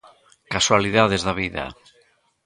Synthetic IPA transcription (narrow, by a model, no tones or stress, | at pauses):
kaswaliðaðezðaβiða̰